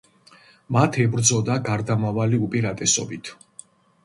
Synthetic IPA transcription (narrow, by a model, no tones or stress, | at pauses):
mat̪ʰɛbɾd̪zɔd̪aɡaɾd̪amavaliupʼiɾat̪ʼɛsɔ̰bit̪ʰ